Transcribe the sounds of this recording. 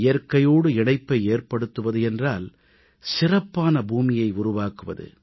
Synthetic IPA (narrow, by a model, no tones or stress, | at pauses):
ɪjɐɾkɐjoːɽɯɪɳɐɪpːɐɪeːrpɐɽɯt̪ːɯʋɐðɯɛndraːl | sɪrɐpːaːnɐbuːmɪjɐɪʊrʊʋaːkɯʋɐ̰ðɯ̰